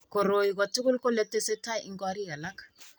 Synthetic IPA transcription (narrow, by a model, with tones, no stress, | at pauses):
kɔ˨ɾo˨ji˨k̬ɔ˨tʰu˦ku˦lkɔ˦lɛ˦tɛ˦sɛ˦tʰa˦ʔi˦ŋkʼwa˦ɾi˦ɣa˨la˦kʰḁ